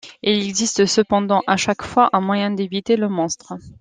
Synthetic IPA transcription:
ilɛɡzist̪əsəpɑ̃d̪ɑ̃ʔaʃakfwaʔɛ̃mwajɛ̃d̪evit̪eləmɔ̃st̪χə

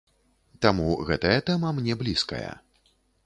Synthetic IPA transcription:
t̪amuɣɛt̪ɐjɐt̪ɛmɐmnʲɛblʲiskɐ̰jɐ̰

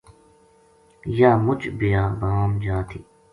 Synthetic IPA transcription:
jaːmʊt͡ʃbijãːbaːmd͡ʒaːt̪ʰḭː

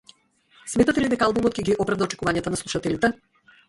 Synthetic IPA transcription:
smɛt̪at̪ɛlid̪ɛkaalˠbumɔt̪̚kʲɛɡʲiʔɔpɾavd̪aɔt͡ʃɛ̥kuvaɲat̪anaslˠuʃat̪ɛlit̪ɛ

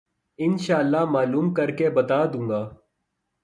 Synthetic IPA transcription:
ɪnʃaːlːamaːluːmkɐɾkebɐt̪aːd̪ũːŋɡaː

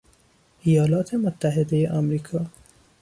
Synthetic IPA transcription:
ʔijɒːlɒːt̪ʰemot̪ʰːæɦed̪ejeʔɒmɾiːkʰɒː

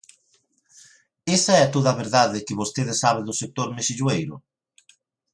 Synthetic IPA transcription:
esaɛat̪oðaβeɾðaðɪkɪβost̪eðɪsaβ̞ed̪ʊsek̚t̪oɾmeʃiʎwejɾʊ̰

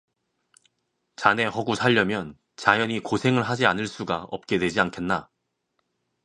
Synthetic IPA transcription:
t͡ɕane̞hʌɡusʰaʎːʌmjʌn | t͡ɕajʌɲikosʰe̞ŋɯɭɦad͡ʑianɯɭs͈uɡa̰ʌ̰p̚k͈e̞dwe̞d͡ʑiankʰe̞nːa

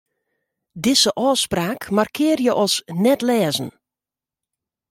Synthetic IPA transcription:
dɪsəʔɔːspraːkmarkʰɪːərjəʔɔsnɛtlɛːzən̩

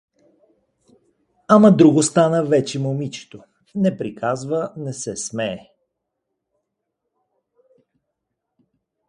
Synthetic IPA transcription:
aməd̪ɾuɡost̪anəvɛt͡ʃɛmomit͡ʃɛ̥t̪o | nɛpɾikʰazvənɛsɛsmɛː

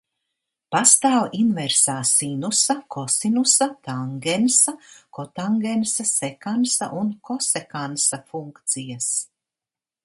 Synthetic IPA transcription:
past̪aːwinvɛɾsaːsinusakʰɔsinusat̪aŋɡɛnsakɔt̪aŋɡensasɛkansa̰ʔunkɔsekansafuŋkt̪sijas

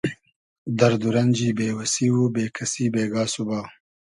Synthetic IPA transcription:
d̪ɐɾd̪uɾɐnd͡ʒiːbeːwɐsiwubeːkʰɐsibeːɡaːsubaw

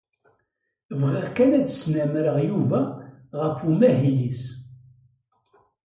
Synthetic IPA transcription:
vʁiʁkælæt͡sə̥snæmɾəʁjuvæʁəfumæɦilis

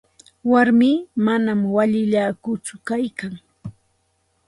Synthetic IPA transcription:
waɾmiːmanamwaʎɪʎaːkʊt͡sʊkajkaŋ

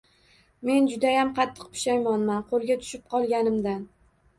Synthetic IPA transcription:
me̞nd͡ʒʊd̪ajamqʰɑt̪ʰːɨ̥q̚pʰɪ̥ʃajmanmanqʰolˠɡʲat̪ʰʊ̥ʃɪp̚qʰɒlˠɡʲanɪmd̪an

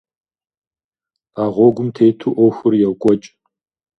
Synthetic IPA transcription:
aːʁʷɔɡʷʊmtʰejtʰuʔɔxʷʊrjɛwkʷʼɔt͡ʃʼ

